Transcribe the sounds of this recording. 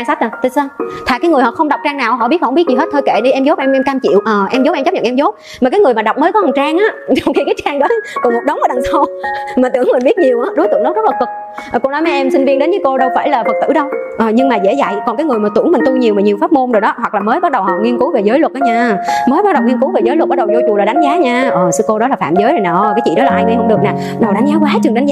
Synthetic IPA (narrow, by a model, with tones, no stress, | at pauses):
a˧ŋsa˦˥t̚a˨˩t̪ɨ˧˩saː˧t̪ʰaː˧˨kaː˨˦jŋɨ˨˩hɔ̰˧˨xə˧wŋ͡mɗa˨˩wk͡p̚t͡ɕaː˧ŋnaː˨˩wɦɔ̰˧˨ɓi˦˥hɔ˧ŋ͡mi˦˥ət̚zi˨˩ɦe˦˥t̪̚ʰəː˧jkḛ˧˨ɗi˧ʔɛ˧mzo˨˦˥pːɛ˧ʔɛ˧mkaː˧mt͡ɕḭ˧˨əwʔəː˨˩ʔɛ˧mzo˦˥ɛ˧mt͡ɕa˦˥p̚ɲə̰˨nʔɛ˧mzo˨˦˥p̚ | maː˨˩kaː˨˦jŋɨ˨˩əjmaː˨˩ɗa˨˩wk͡p̚məː˨˦jkɔ˨˦hə˨˩ŋt͡ɕaː˧ŋʔaː˨˦˥zɔ˨˩wŋ͡mxi˧kaː˨˦jt͡ɕaː˧ŋɗɔ˨˦jkɔ˨˩ŋmo˨˩t̚ɗə˨˦wŋ͡mʔəː˧˦ɗa˨˩ŋsa˧wmi˨˩t̪ɨ̰˧˩əŋmi̟˨˩ɓi˦˥ət̚ɲi˨˩əwʔaː˨˦ɗo˨˦jt̪ɨ̰˧˨ŋɗə˨˦w̚zə˦˥t̚la˨˩kɨ˨˩k̚ | ʔko˧nɔ˨˦jmɛ˧ʔɛ˧msi˧ŋ̟vi˧ənɗe˨˦nzɨː˨˦jko˧ɗə˧wfaː˧˩jlaː˨˩fə˨˩t̪ɨ̰˧˩ɗə˧wʔəː˨˩ɲɨ˧ŋmaː˨˩zḛ˧˥za̰˧˨jkɔ˨˩nkaː˨˦jŋɨ˨˩əjmaː˨˩t̪ɨ̰˧˩əŋmï˨˩ŋ̟t̪u˧ɲi˨˩əmaː˨˩ɲi˨˩əwfaː˦˥p̚mo˧nɗo˨˩jɗɔ˨˦ɦwa˨˩k̚laː˨˩məː˨˦jɓa˦˥t̚ɗə˨˩whɔ̰˨˩ŋi˧nku˨˦ve˨˩zəː˨˦jlwə˨˩t̚ʔaː˨˦ɲaː˧məː˨˦jɓa˦˥ɗə˨˩wŋi˧əŋku˨˦ve˨˩zə˨˦lt̚ɓ̚ɗə˨˩wzo˧t͡ɕʊ˨˩laː˨˩ɗa˨˦ŋ̟zaː˨˦ɲaː˧ʔəː˨˩sɨ˧ko˧ɗɔ˨˦laː˨˩faː˧˨mzəː˨˦jɾə˨˩naː˨˩ʔka˨˦jt͡ɕḭ˧˨ɗɔ˨˦laː˨˩ʔa˧jma˧jhə˧ŋ͡mɗɨ˨˩ək̚naː˨˩ | ɗə˨˩wɗa˨˦ŋ̟zaː˨˦kwaː˨˦t͡ɕɨ˨˩ŋɗa˨˦ŋ̟zaː˨˧